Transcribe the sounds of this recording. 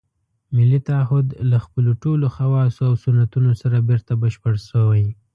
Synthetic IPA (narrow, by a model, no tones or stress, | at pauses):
mɪlit̪aaɦʊd̪laxpəloʈoloxawɑsoawsʊnat̪unosaɾabeɾt̪abəʃpəɽʃəwaj